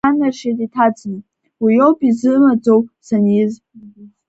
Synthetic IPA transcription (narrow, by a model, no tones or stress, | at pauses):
anaʃatʼitʰad͡znɨ | ijo̞wpʼizɨmad͡zo̞wsaniz